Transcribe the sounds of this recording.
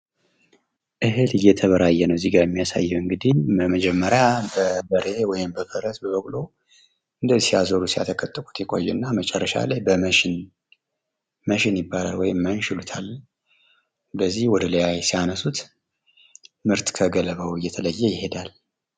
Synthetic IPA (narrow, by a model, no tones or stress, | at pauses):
ʔɨɦɨlɨjːɛt̪ʰəβəɾajːɛnəwziɡajɛmːijasa̰jːɛwɨŋɡɨd̪ibəməd͡ʒɛmːəɾjabəbəɾe̞wɔjɪmbəbəɾəsbəβəkʼlo̞ | ʔɨnd̪əzsijazəɾusija̰t̪ʰəkʼət̪ʼːəkʼu̥t̪jɛkʼo̞̰jːɛɨnːamət͡ʃʼɛrːəʃa̰lajbəməʃɪn | məʃɪnjɪbːalalwɔjɪmːanʃɪlut̪ʰalː | bəzːihwɔd̪ələjajsijanəsut̪ | mɨɾt̪kʰəɡələβəwɨjːɛt̪ʰələjːɛjɪhe̞d̪al